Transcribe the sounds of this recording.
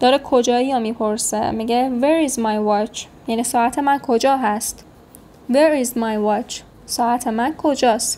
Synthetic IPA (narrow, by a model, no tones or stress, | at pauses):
d̪̥ɒːɾekʰod͡ʒɒːijɒmiːpʰo̞ɾsḛmiːɡeveɾizmajwɒt͡ʃʰ | jæniːsɒːæt̪ʰe̞mænkʰo̞d͡ʒɒːɦæst̪ | veɾizmɒjwɒt͡ʃʰ | sɒːʔæt̪ʰemænkʰo̞d͡ʒɒːst̪